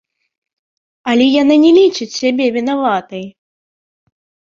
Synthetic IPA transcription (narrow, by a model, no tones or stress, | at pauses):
ɐlʲɛjananʲɛlʲit͡ʂɨt͡sʲsʲabʲɛvʲinavat̪ɐj